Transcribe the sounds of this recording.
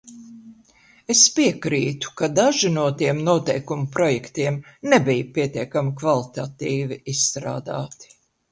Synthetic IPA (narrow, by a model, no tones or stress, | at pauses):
espiɛkɾiːt̪u̥kad̪aʒinuɔt̪iɛmnuɔt̪ɛjkumupɾɔjɛkt̪iɛmnebijpiɛt̪ʲiɛkamikvalˠit̪at̪iːviisst̪ɾa̰ːd̪a̰ːt̪i̥